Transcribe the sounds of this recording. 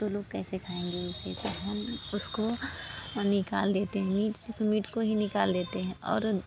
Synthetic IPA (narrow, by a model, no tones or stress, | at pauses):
t̪oloːɡkɛːsekʰaːẽːŋɡeʊsḛt̪oɦɐmʊsko | nɪkaːld̪eːt̪eɦɛ̃miːʈt̪omiːʈkoɦinɪkaːld̪eːt̪eɦɛ̃ʔɔ̰ːɾ